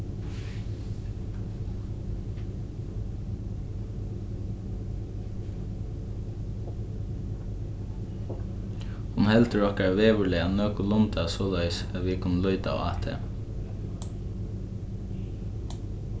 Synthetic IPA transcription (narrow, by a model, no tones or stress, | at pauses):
ʊmhɛlt̪əɹɔhkaɹaʋeːʋʏlɛanøːkʊlʊnt̪asɔːlœʏsɛʋikʰʊnːəlɔʏt̪a̰ɔ̰a̰ːt̪ʰḛ